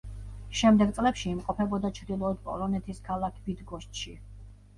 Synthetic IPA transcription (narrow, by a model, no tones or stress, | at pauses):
ʃɛmd̪ɛɡ̚t̪sʼlɛpʃiːmqʼɔpʰɛbɔd̪at͡ʃʰɾd̪ilˠɔːd̪̥pʼɔ̰lˠɔnɛt̪ʰiskʰalˠakʰbid̪ɡɔʃt̪ʃi